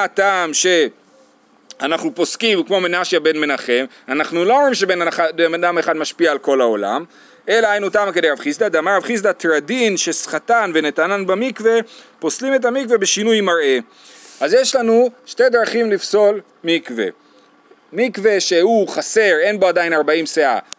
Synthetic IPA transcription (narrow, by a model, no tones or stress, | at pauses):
ataːmʃe̞ | anaχnupo̞skimkmo̞menaʃjabe̞nme̞naχe̞m | anaχnuloomʁimʃe̞benaaabemad̪ameχad̪maʃpiaːlko̞lao̞la̰m | e̞laɦajnutaːmakedejavχisd̪ad̪aamaʁavχis̬dat̪eʁadinʃesχatanvenet̪ananbamikve̞poslime̞t̬amikve̞be̞ʃinujmaʁʔe̞ | ʔazje̞ʃlanuʃte̞d̪ʁaχimlifso̞l | mikve̞̰ | mikve̞ʃe̞uχase̞ʁe̞nboad̪ainaʁbaimsea̰